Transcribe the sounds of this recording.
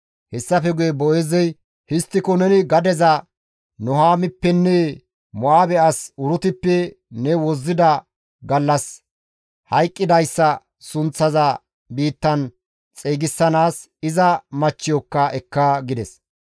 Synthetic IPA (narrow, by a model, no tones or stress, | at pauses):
hɛsːɐfɛɡʊjɛbɔʔeːzɛj | hɪst̪ːɪkɔnɛnɪɡɐd̪ɛzɐ | nɔɦaːmɪpːɛnːɛ | mɔaːbɛɐsʊɾʊt̪ɪpːɛ | nɛwɔzːɪd̪ɐ | ɡɐlːɐs | hɐjkʼːɪd̪ɐjsːɐ | sʊnt͡sːɐzɐ | biːt̪ːɐn | t͡sʼeːɡɪsːɐnaːs | ɪzɐmɐt͡ʃːɪjɔkːɐʔɛkːɐɡɪd̪ɛs